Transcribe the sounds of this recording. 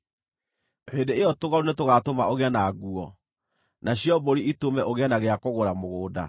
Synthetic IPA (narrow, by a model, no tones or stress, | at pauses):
hedeejɔtoɣaunetoɣatomaoɣeɛnaːɣuɔ | naɕjɔboɾiitomɛʔoɣeɛnaɣeakoɣoɾamoɣoːda̰